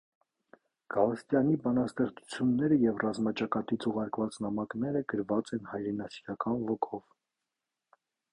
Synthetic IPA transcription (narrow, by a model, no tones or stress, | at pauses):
ɡ̥ɑlst̪jɑnibɑnɑst̪ɛχt͡su̥t͡sʰjunːɛɾəjɛvrɑzmɑt͡ʃɑkɑt̪it͡sʰuʁɑɾkvɑt͡snɑmɑknɛɾəɡəɾvɑt͡sɛnhɑjɾɛnɑsiɾɑkɑnvɔkʰɔv